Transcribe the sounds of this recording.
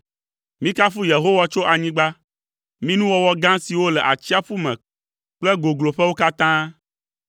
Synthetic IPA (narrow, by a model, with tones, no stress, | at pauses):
mĩ˦ka˦fu˦je˨ɦo˦wa˦t͡ʃo˦ʔa˨ɲĩ˦ɡ͡ba˦ | mĩ˦nũ˦wɔ˦wɔ˦ɡã˦si˨wo˦lɛ˨ʔa˨t͡ɕi˦a˦ɸu˦mɛ̃˨ | k͡plɛ˦ɡo˨ɡlo˨ɸɛ˦wo˦ka˦t̪ã˦